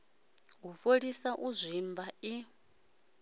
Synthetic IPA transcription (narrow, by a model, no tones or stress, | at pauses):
ɦuɸoɺisaʔuzʷimbai